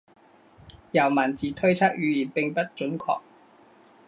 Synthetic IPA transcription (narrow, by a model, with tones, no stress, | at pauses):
jɐ˨˩wmɐ˨˩nt͡siː˨˧t̪ʰɵ˥ɥt͡sʰaː˥k̚jyː˨˧jiː˨˩npɪ˨ŋpɐ˥t̚t͡ʃɵ˨˥nkʰɔ̰ː˧k̚